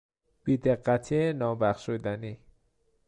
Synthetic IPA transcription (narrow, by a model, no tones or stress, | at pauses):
b̥id̪eqːat̪ʰenɔbaχʃud̪ani